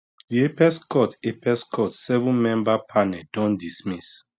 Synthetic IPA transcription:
diepɛskɔtepɛskʰɔtsɛvɔ̃nmɛ̃mbapʰanɛldɔ̃ndismis

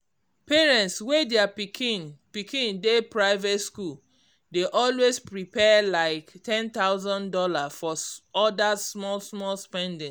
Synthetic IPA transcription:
peɹɛ̃ntswedɛapikʰĩnpikĩndepɹaɪvetskul | deʔɔlwespɹipɛlaɪktɛ̃nt̪aʊzɔ̃ndɔlafɔɔdasmɔlsmɔlspɛ̃ndĩn

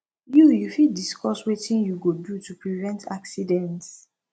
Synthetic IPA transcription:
jujufidiskʰɔswetĩnjuɡodutupɹivɛ̃ntʰa̰ksidɛ̃nts

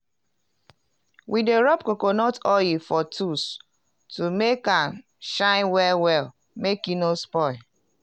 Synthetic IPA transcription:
wideɹɔpkokonɔtɔjifɔtʰus | tumekãn | ʃãɪ̃nwɛlwɛl | mekĩnospɔɪl

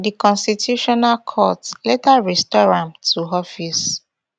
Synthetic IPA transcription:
dikɔ̃nstitʰjuʃɔnalkʰɔtletaɹɛstɔɹãmtʰuɔfis

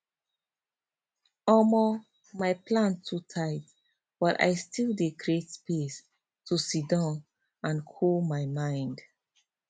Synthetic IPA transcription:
ɔmɔ | maɪplãntʰutʰaɪt | b̥ɔta̰ɪstilˠdekɹietspes | tʰusidãn | ãnkʰolmaɪmãɪ̃nd

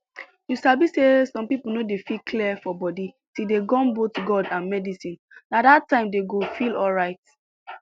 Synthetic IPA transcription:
jusabisesɔ̃mpipul̩nodefikʰliɛfɔbɔdi | tideɡɔ̃nbotɡɔdãnmɛdisĩn | nadatːãɪ̃mdeɡofilɔlɹaɪt

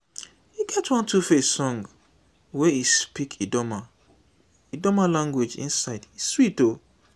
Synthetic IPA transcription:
iɡɛtwɔ̃ntʰufesɔ̃ŋɡ | weispikʰidɔma | idɔmalãŋɡwed͡ʒḭ̃nsaɪdiswito

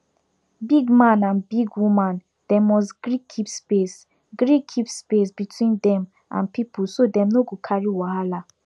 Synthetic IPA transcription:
biɡmãnãnbiɡwumãn | d̥ɛmɔs̬ɡɹikʰːipspes | ɡɹikʰːipspes̬bitʰwĩndɛ̃m | ʔã̰npipusodɛ̃mnoɡokʰaɹiwahala

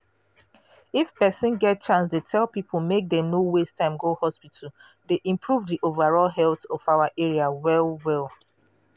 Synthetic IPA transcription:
ifpɛsĩnɡɛt̚t͡ʃãnsdetʰɛlˠpipʰomek̚dɛ̃mnowestʰãɪ̃mɡohɔspitʰa | deʔĩmpʰɹuvdiʔovaɹɔlɦɛltɔfaʊaʔeɹiawɛlwɛlˠ

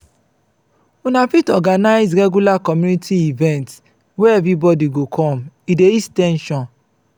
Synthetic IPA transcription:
unafitɔɡanaɪzɾɛɡjulakɔmjũnitʰiivɛ̃nts | wɛɛvɾibɔdiɡokʰɔ̃mideistɛ̃nʃɔ̃n

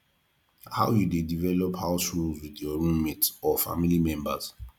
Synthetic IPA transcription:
ha̰ʊjudedivɛlɔphaʊsɹulzwidjɔɹũnmitsɔfa̰milimɛ̃mba̰z

